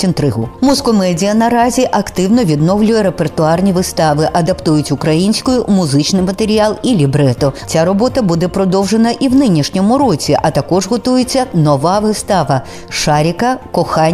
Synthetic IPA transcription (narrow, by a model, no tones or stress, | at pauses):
int̪ɾɪɦʊmuzkɔmɛdʲijɐnɐɾazʲiʔɐkt̪ɪwnɔʋʲid̪nɔwlʲʊjɛɾepert̪ʊɑrnʲiʋɨst̪ɑʋɪʔɐd̪ɐpt̪ujʊtʲʊkɾɐjinʲsʲkʊjʊmʊzɪt͡ʃnɪjmɐt̪eɾʲialˠilʲibɾɛt̪ɔt͡sʲaɾɔbɔt̪ɐbud̪ɛpɾɔd̪ɔwʐenɐʔiwnɪnʲiʂnʲɔmʊɾɔt͡sʲiʔɐt̪ɐkɔʐɦɔt̪ujet͡sʲːɐnɔʋaʋɪst̪aʋɐ | ʃaɾʲikɐkɔxanʲ